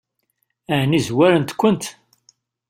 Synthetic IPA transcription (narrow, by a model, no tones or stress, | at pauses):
ænizwæɾənt̪kʷːənt̪